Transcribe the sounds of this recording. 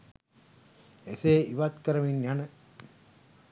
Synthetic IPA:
eseːiʋat̪kɐɾɐminjanɐ

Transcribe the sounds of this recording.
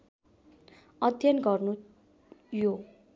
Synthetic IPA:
ʌd̪ʱjʌnɡʌrnu | jo

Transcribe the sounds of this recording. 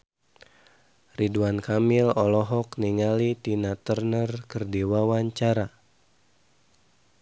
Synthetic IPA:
riduankamilɔlɔɦɔkniŋalit̪inat̪ərnərkərdiwawaɲt͡ʃaɾa

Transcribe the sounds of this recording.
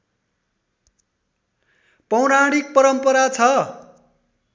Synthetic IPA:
pʌwnaɽik̚pʌɾʌmpʌɾat͡sʰʌ

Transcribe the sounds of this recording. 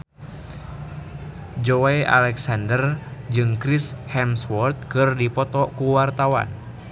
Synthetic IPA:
d͡ʒɔaʔa̰lɛksandərd͡ʒɨŋkɾishɛmswɔrt̪̚kɨrdipɔt̪ɔkuwart̪awa̰n

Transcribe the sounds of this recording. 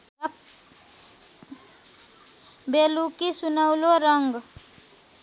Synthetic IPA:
belukisunəwloɾʌŋɡ

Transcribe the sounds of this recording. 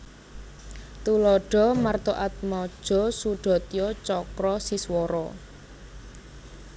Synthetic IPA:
t̪ulɔɖ̥ɔ̤mart̪oʔat̪̚mɔd̥ʒ̥ɔ̤suɖ̥ɔ̤t̪jɔt͡ʃɔkɾɔsiswɔɾɔ̰

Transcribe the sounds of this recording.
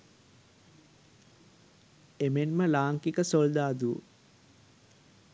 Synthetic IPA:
emenməlaːŋkikəsold̪aːd̪uː

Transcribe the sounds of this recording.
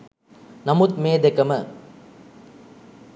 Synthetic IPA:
nɐmut̪meːd̪ekɐmə

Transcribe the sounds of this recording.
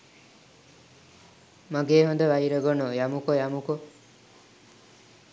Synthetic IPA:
maɡeːɦond̪əʋajiɾəɡɔnojamukojamuko

